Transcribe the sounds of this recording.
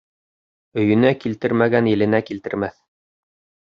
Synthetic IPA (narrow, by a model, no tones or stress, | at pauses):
ɵ̆jɵ̆nækilt̪ɘɾmæɡænjɘ̆lɘ̆nækilt̪ɘ̆ɾmæθ